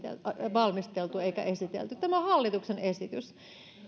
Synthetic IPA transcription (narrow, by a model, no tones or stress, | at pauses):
ḛlʋɑlmist̪elt̪ueikæ̰ʔesit̪ḛlt̪ytt̪æmohɑlːit̪uksenesit̪ys